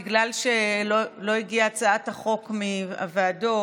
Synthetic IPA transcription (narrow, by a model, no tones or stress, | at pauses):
iɡlalʃelolo̞iɡiat͡saataχo̞kmia̰vaːdo̞